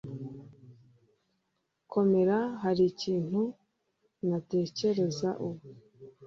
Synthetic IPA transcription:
kʰo̞me̞ɾaɦaɾiciːn̥hu | nate̞ːce̞ɾe̞zaʔuwu

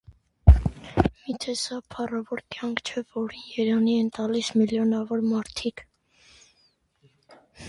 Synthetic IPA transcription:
mit̪ʰɛsɑpʰɑrɑvɔɾkjɑŋkʰt͡ʃʰɛvɔɾinjɛɾɑniɛnt̪ɑlismiljɔnɑvɔɾmɑɾt̪ʰikʰ

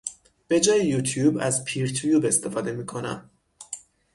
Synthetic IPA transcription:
b̥e̞d͡ʒɒːjejuːt̪ʰjuːbæ̰zpʰiɾt̪ʰjuːbe̞st̪ʰe̞fɒːd̪e̞miːkʰo̞næ̰m

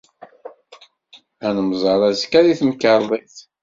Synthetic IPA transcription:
ænəmzˤɑɾˤæzkæðiθməkːəɾˤðˤeθ

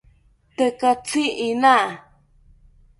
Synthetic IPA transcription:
t̪əkat͡siina

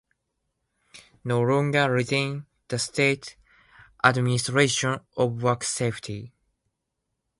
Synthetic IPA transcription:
nolɔ̃ŋɡəɹizẽn | ð̥əstet | ʔadministɹeʃɔ̃nɔvwɜkseftʰi

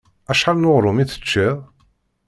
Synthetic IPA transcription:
æʃħalnoʁɾˤʊmiθə̥t͡ʃːiðˤ

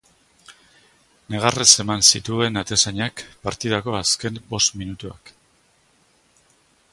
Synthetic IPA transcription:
ne̞ɣ̞arese̞mansit̪ue̞nat̪esaɲakpaɾt̪iðako̞aske̞mbo̞st̪minut̪ua̰k

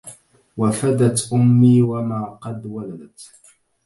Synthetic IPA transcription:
wafad̪at̪ʔʊmːiːwamaːqɑd̪walad̪at̪

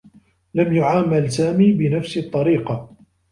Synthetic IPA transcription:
lamjʊʕaːmalsaːmiːbɪnafst̪ˤːɑɾiːqɑ

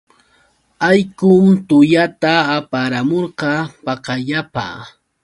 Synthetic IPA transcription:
ajkʊmt̪ʊjat̪aːpaɾamoɾqɑpɑqɑʎapa̰ː

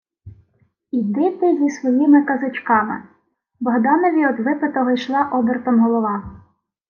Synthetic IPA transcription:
id̪ɪt̪ɪzʲisʋɔjimɪkɐzɪt͡ʃkɑmɪ̰ | bɔɦd̪ɑnɔʋʲiɔd̪ʋɪpɪt̪ɔɦɔjʃlˠɑʔɔbert̪ɔmɦɔlˠɔʋɑ

